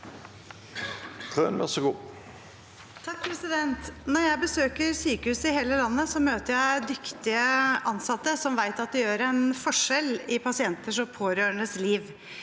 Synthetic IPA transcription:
k̪ʰʁø̰ːnʋæ̰ʁsəɡṵː | t̪ʰɑkːpʰɾɛsɪd̪ɛnt̪nɔɾjæɪbəsøːkəɾsyːkəhʉːsəɪheːləlɑnːəsɔmøːt̪əɾjæɪd̪ʏkt̪ɪəɑnsɑt̪ːəsɔmʋæɪt̪ɑt̪̚d̪ɛjøːɾɛnfɔʂɛlɪpʰɑsɪɛnt̪əʂɔpʰoːɾøːəɳəsliːʋ

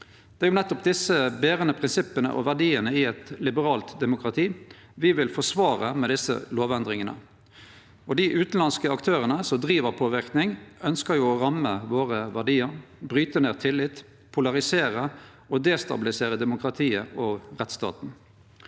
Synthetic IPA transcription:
d̪̥ɛːjʊnɛt̪ːɔp̚d̪ɪsəbeːʁənəpʰʁɪnsɪpənə̰ʔɔ̰ʋæʁɖiːənəɪɛt̪lɪbəʁɑːlt̪d̪ɛmʊkɾɑt̪ʰiː | ʋɪʋɪlfɔsʋɑːʁəmɛd̪ɪsə̰loːʋɛnd̪ʁɪŋənə̰ | ɔd̪ɪʔʉːt̪n̩lɑnskəɑkt̪ʰøːʁənəsɔmd̪ʁiːʋəʁpʰoːʋɪʁknɪŋœnskəjʊɔʁɑməʋoːʁəʋæɖiːəɾbʁyːt̪əneːʁt̪ʰɪlːɪt̪ | pʰʊlɑʁɪseːʁə | ɔd̪ɛːst̪ɑ̰bɪlɪseːʁəd̪ɛmʊkɾɑt̪ʰiːəɔʁɛt̪st̪ɑ̰ːt̪n̩

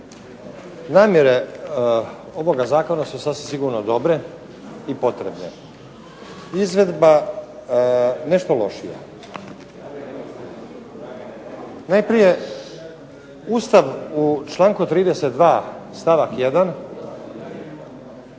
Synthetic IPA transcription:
naːmje̞ɾe̞ | o̞ʋo̞ɡazaːko̞nasusasʋimsiɡuɾnod̪o̞bɾe̞ | ipo̞t̪ɾe̞bne | izʋe̞d̪ba | ne̞ʃt̪olo̞ʃija̰ | najpɾije̞ | uːst̪aʋut͡ʃlˠaːŋkut̪ɾiːd̪ese̞t̪̚d̪ʋaːst̪aʋakjed̪an

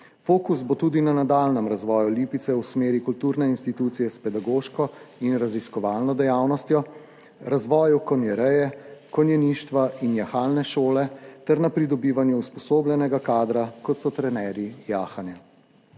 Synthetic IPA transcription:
foːkusbot̪uːd̪inanad̪aːlnɛmɾazʋɔːjuliːpit̪sɛusmeːɾikult̪uɾnɛinst̪it̪uːt̪sijɛspɛd̪aɡoːʃkɔinɾaziskɔʋaːlnɔd̪ɛjaːwnɔst̪jɔ | ɾazʋɔːjukɔnjɛɾɛjɛkɔnjɛniːʃt̪ʋaʔinjaxaːlnɛʃoːlɛt̪ɛɾnapɾid̪ɔbiːʋanjuuspɔsoːblʲjɛnɛɡakaːd̪ɾakɔt̪sɔt̪ɾɛnɛːɾijaːxanja

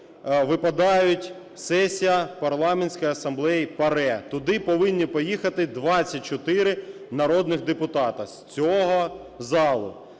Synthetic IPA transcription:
ʋɪpɐd̪ɑjʊtʲ | sɛsʲijɐpɐrlˠɑmenʲsʲkɔjɐsɐmblˠɛjipɐɾɛt̪ʊd̪ɪpɔʋɪnʲːipɔjixɐt̪ɪd̪ʋɑt͡sʲːɐt̚ʲt͡ʃɔt̪ɪɾɪ | nɐɾɔd̪nɪɣd̪epʊt̪ɑt̪ɐsʲt͡sʲɔɦɔ | zɑlˠʊ̰

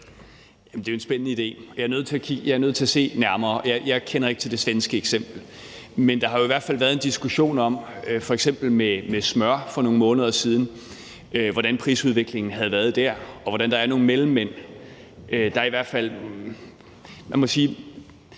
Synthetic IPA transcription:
jæm̩d̥eʊe̝nsb̥ennəid̥e̝̰ːjɑ̈ɐnøð̞̰ˠt͡sʰe̝ækʰiɡ̥jɑ̈ɪæɐøð̰ˠt͡sʰe̝æse̝̰ːnæɐmɐːɒjɑɪjɑ̈ɪkʰenɐe̝ɡ̥t͡sʰe̝ld̥e̝sʋensɡ̥əeɡ̥sem̰b̥l̩ | mend̥ɑ̈ɦɑ̈jo̝iʋæɐ̥fæl̰ʋæɐð̞̩ˠend̥isɡ̥uɕo̝̰ːnɒ̽m̰fɒ̽eɡ̥sem̰b̥l̩memesmɶɐfɒ̽no̝ːŋəmɔ̽ːnəð̞ˠɐsiːð̞ˠn̩ | ʋɒɾ̥ænpʰʁḭːsuð̞ˠʋe̝ɡ̥le̝ŋn̩ɦæð̞̩ˠʋæɐð̞ˠd̥æɐ̰ɒ̽ʋɒɾænd̥ɑ̈æɐno̝ːŋn̩melm̩ːen̰ | ʔød̥ɑ̈ɐiʋæɐd̥fæl̰ | mænmɒ̽siː

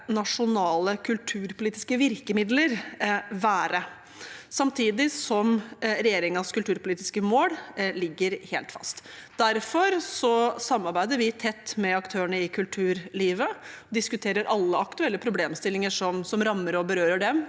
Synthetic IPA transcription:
nɑʂʊnɑːləkʰʉlt̪ʰʉːɾpʰʊliːt̪ɪ̥skəʋɪɾkəmɪd̪ləɾʋæːɾə | sɑmt̪ʰiːd̪ɪsɔmɾɛjeːɾɪŋɑskʉlt̪ʉːɾpʊliːt̪ɪ̥skəmoːllɪɡːəɾheːlt̪fɑ̰st̪d̪æɾfɔɾsɔsɑmːɑɾbæɪd̪əɾʋɪt̪ʰɛt̪ːmɛɑkt̪ʰøːəɳəɪkʰʉlt̪ʰʉːɾliːʋəd̪ɪskʉt̪ʰeːɾəɾɑlːəɑkt̪ʉɛlːəpʰɾʊbleːmst̪ɪlːɪŋəʂɔmsɔmɾɑmːəɾɔbəɾøːɾəɖɛm

